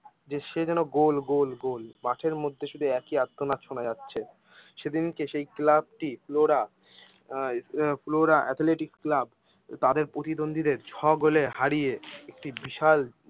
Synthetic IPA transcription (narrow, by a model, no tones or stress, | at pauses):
d͡ʑeʃed͡ʑɛnoɡolɡolɡolmaʈʰeɾmod̪ʱːeʃud̪ʱuɛkiad̪ʰːonaʃʰonaatːɕʰe | ʃed̪inkeʃejklab̚ʈifloɾa | floɾaʔɛt̪ʰleʈiksklab | t̪ad̪eɾpɾot̪id̪ond̪ʱid̪eɾt͡ɕʰɔɡolehaɾijeek̚ʈibiʃal